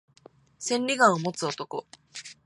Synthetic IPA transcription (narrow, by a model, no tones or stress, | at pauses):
sẽ̞nʲɾʲiɡãɰ̃omo̞t͡sɨo̞t̪o̞ko̞̰